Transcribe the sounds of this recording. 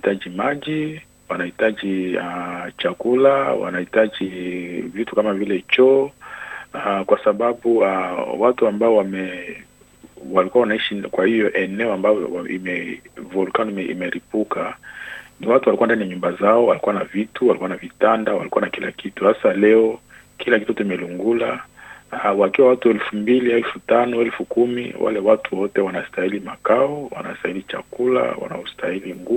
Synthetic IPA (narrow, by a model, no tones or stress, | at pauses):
ahitaʄimaʄi | wanahitaʄiat͡ʃakulawa̰nahitaʄivitu̥kamavilɛt͡ʃɔ | akwasababuawatuambaɔwamɛ | walikuawanaiʃikwahijɔʔɛnɛɔambaɔ̰ḭmɛvulkanmɛḭmɛɾipuka | niwatuwalikuandanijaɲumbazaɔwalikuwanavituwalikuwanavitandawa̰likuanakila̰kituhasalɛɔ | kʰilakituotuimɛluŋɡula | wakiwawatuɛlfumbiliɛlfutanɔɛlfukumḭwʔa̰lɛwatuwwɔtɛwanastailimakaɔwa̰na̰stailit͡ʃa̰kula̰wa̰na̰hustʰailiŋɡu